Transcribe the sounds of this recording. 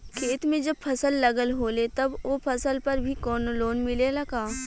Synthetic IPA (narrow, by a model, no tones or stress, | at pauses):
kʰeːt̪mẽd͡ʒɐb̚fʰɐsəlːɐɡəlɦoːlet̪ɐbopʰɐsəlpɐɾbʱikɔːnoloːnmɪlelɐɡaː